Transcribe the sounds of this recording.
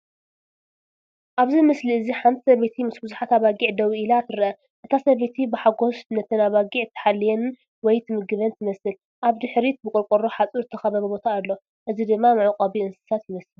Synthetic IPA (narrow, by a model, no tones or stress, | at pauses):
ʔaβzimɨsliɨziħamt̪ʰsɐβet̪ʰimɨsbɨzuħat̪aβaɡiʕd̪ɐwiʔilat̪ʰɨɾɐʔɐ | ʔɨt̪ʰasɐβet̪ʰibɨħaɡo̞snɐt̪ʰɨnaβaɡiʕt̪ʰːɐ̥ħalːijɛn | wɔjt̪ʰɨmɨɡɨβɐnt̪ʰɨmɐsɨl | ʔaβd̪ɨħɾit̪̚bɨkʼʊlkʼoɾoħat͡sʼiɾzɨt̪ʰːɐxɐβɐβɐbo̞t̪ʰaːlːo̞ | ʔɨzid̪ɨmːamɨʕuqʼɐβiɨnsɨ̥sat̪jɪmɐsɨl